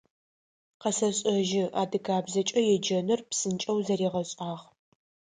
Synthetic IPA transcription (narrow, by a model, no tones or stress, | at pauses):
qɐsɐɕʼɐʒɪʔa̰ːdɨkʰaːbzɐt͡ʃʼɐjɛd͡ʒɐnɨrpsɨnt͡ʃʼɐwzɐɾiːʁɐɕʼaːʁ